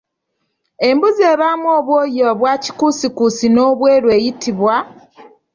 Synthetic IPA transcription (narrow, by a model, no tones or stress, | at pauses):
e̞mbuzeːβaːmuoːβwoːjoβwaːci̥kusikusino̞ːβwe̞ːɾwe̞ːjitiβwa